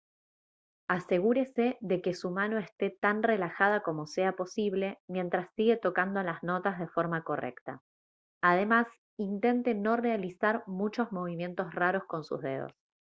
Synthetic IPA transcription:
ase̞ɣuɾe̞se̞ðe̞ke̞sumano̞est̪e̞t̪anre̞laxað̞ako̞mo̞seapo̞siβ̞le̞mjẽ̞nt̪ɾasːiɣe̞t̪o̞kand̪oalazno̞t̪azð̞e̞fo̞ɾmako̞re̞̰kt̪a | aðe̞mas | int̪e̞nt̪e̞no̞re̞alisaɾmut͡ʃo̞zmo̞β̞imje̞nt̪o̞sraɾo̞sko̞nsṵzðe̞̰ðo̰s

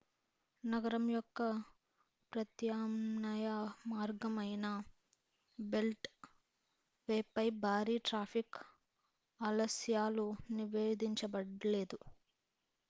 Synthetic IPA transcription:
nɐɡɐɾɐmjɔkːɐ | pɾɐt̪jaːmnɐjɐmaːɾɡɐmɐjnɐ | be̞lʈ | ʋeːpːɐjbʱaːɾiːʈɾaːpʰik | ɐlɐsjaːluniʋeːd̪iɲt͡ʃɐbɐɽle̞ːd̪u

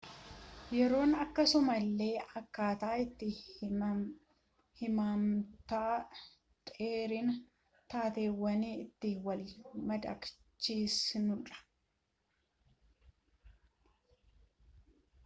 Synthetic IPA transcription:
jɛɾo̞ːnɐkːɐsʊmɐlːe̞ːʔɐkːaːt̪aːɪt̪ːɪ | hɪmaːmt̪aː | t̪ʼeːɾɪn | t̪aːt̪e̞ːwːɐniːɪt̪ːɪwɐlmɐd̪ɐ̰k | t͡ʃːiːsnʊᶑɐ̥

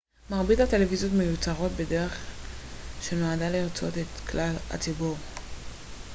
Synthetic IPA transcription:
maʁbidate̞levizjo̞t̪me̞jut͡saʁo̞tbe̞de̞ʁe̞χ | ʃenoadaliʁt͡so̞̰t̪et̪klala̰t͡sibuʁ

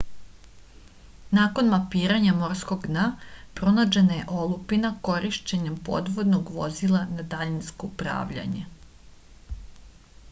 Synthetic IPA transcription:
naːko̞nmapiːɾaɲamo̞ɾsko̞ɡnapɾo̞nad͡ʑenaje̞ʔolˠupinako̞ɾʔiʃt͡ɕeɲempo̞̰d̪ʋo̞d̪noɡʋo̞̰zilˠanad̪aʎinsko̞upɾa̰ːʋʎa̰ɲḛ

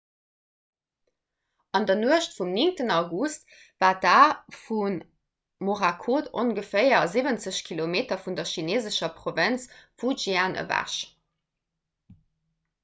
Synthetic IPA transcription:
ɑndɐnuəʃtfumniŋtənɑʊɡust | vaːt̚daːfun | moʁakʰoːto̰nɡəfəɪɐzivənt͡səɕkʰilomeːtɐfundɐʃineːzəʃɐpʁovɛnt͡sfuʒiaːnʔə̰væ̰ʃ

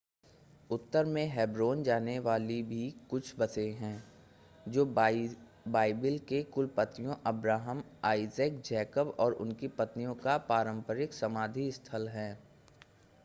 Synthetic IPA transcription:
ʊt̪ːəɾmẽɦɛːbɾoːnd͡ʒaːneʋaːlibʱikʊt͡ʃʰbɐseɦɛ̃ː | d͡ʒoː | baːɪbɪlkekʊlpət̪nijõʔɐbɾaːɦəmaːɪzəkd͡ʒɛːkəbɔːɾʊ̰nkipɐt̪nijõkapaːɾə̃mpəɾɪksɐmaːd̪ʱist̪ʰəlɦɛ̃ː

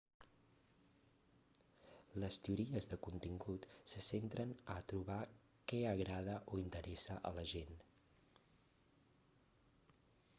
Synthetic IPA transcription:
ləst̪euɾiəzðəkunt̪iŋɡut̪səsent̪ɾənət̪ɾuβa | kɛəɣɾað̞əʔoint̪əɾʔɛsəʔə̰ləʒen

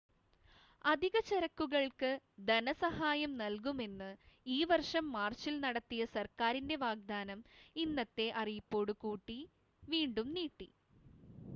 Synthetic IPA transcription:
ɐd̪ʱiɣɐt͡ɕeɾɐkːuɣɐɭkɨd̪ɐnɐsɐhaːjɐmnɐlkume̞nːɨiːʋɐrʂɐmːaːrɕilnɐɽɐt̪ːijɐsɐrkaːɾinde̞ʋaːɡ̚d̪aːnɐminːɐt̪ːe̞ʔɐrijupːo̞ːɽukuːʈːi | ʋiːɳɖumniːʈːi

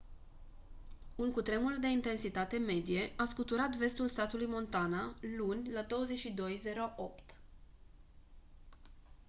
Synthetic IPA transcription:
unkut̪ɾe̞muld̪e̞int̪e̞nsit̪at̪e̞me̞d̪ije̞ʔaskut̪uɾat̪ve̞st̪ulst̪at̪ulujmo̞nt̪analunʲlad̪o̞wəze̞t͡ʃʃid̪o̞jze̞ɾoʔopt̪

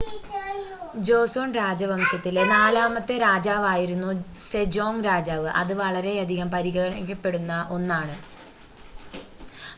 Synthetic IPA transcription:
d͡ʑo̞ːsoːnɾaːd͡ʑɐʋɐmɕjɐt̪ːilnaːlaːmɐt̪ːeɾaːd͡ʑaːʋaːjiɾunːused͡ʑo̞ːŋɾaːd͡ʑaːʋɨʔɐ̰ðɨʋɐɭɐɾe̞ɐd̪ʱiɣɐmpɐɾiɣɐɣɐɐɳɐkʲːɐpːe̞ɽunːɐʔo̞nːaːɳɨ

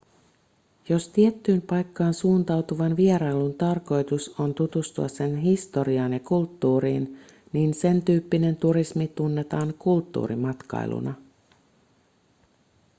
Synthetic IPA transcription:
jo̞st̪iet̪ːyːmpɑjkːɑːnsuːnt̪ɑwt̪uʋɑnʋieɾɑjlunt̪ɑrko̞jt̪uso̞nt̪ut̪ust̪uɑsse̞nɦist̪o̞ɾiɑːnjɑkult̪ːuːɾiːn | niːnse̞nt̪yːpːine̞nt̪uɾismit̪unːe̞t̪ɑːŋkult̪ːṵːɾimɑt̪kɑ̰j̰lʔṵnɑ

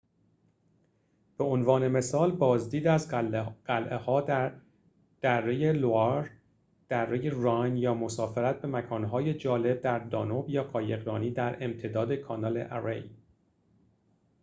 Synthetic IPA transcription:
b̥e̞onvɒːne̞me̞sɒːlbɒːzd̪iːd̪æzɢælʔehɒːd̪æ | d̪̥ærːejeloɑɾ | d̪̥ærːe̞jerɒjnjɒːmo̞sɒːfe̞ɾæt̪̚be̞mækʰɒːnɦɒːjed͡ʒɒːle̞b̚d̪æɾd̪ɒ̰ːnobjɒːɢɒːjeɣɾɒːniːd̪æɾe̞mt̪ʰe̞d̪ɒːd̪ekʰɒːnɒːle̞̰ʔæɾḛj

